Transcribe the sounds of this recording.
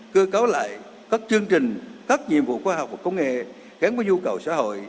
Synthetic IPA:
kɨ˧əkaː˨˦wla̰ː˧˨j | kaː˦˥k̚t͡ɕɨ˧əŋt͡ɕï˨˩ŋ̟kaː˦˥k̚ɲḭ˨˧˨əmvṵ˧˨xwaː˧ɦɔ˨˩k͡p̚va˨˩kə˧wŋ͡mŋḛ˧˨ | ɣaː˨˦nvaː˨˦ɲu˧kə˨˩wsa̰ː˧˥ho̰˧˨j

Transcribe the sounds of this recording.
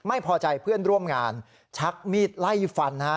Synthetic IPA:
ma˥˩jpʰɔː˧t͡ɕa˧jpʰɯ˥˩ənɾu˥˩əmŋaː˧n | t͡ɕʰa˦˥k̚miː˥˩t̪̚la˥˩jfa˧nːa˦˥

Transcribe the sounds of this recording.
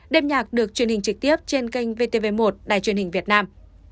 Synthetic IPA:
ɗe˧mɲaː˨˩k̚ɗɨ˨˩ək̚t͡ɕwənhï˨˩ŋ̟t͡ɕɨ˨˩k̚t̪i˦˥əp̚t͡ɕe˧nka˧jŋ̟ve˧t̪e˧ve˧mo˨˩t̚ɗa̰ː˧˨jt͡ɕwi˨˩ənhï˨˩ŋ̟vi˨˩ət̚naː˧m

